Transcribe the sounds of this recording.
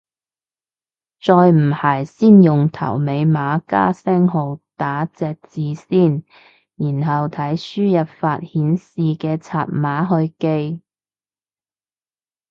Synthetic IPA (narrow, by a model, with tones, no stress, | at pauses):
t͡sɔː˧jm̩˨˩haː˨˩jsiː˥njʊ˨ŋt̪ʰɐ̰˨˩wme˨˧jmaː˨˧ka̰ː˥sɛː˥ŋɦo˨˧wt̪aː˨˥t͡sɛː˨k̚t͡siː˨˧siː˥˩n | jiː˨˩nɦɐ˨wt̪ʰɐ˨˥jsyː˥jɐ˨p̚faː˧t̚hiː˨˥nsiː˨kɛː˧t͡sʰaː˨˧t̚maː˨˥ɦɵ˧ɥke˧j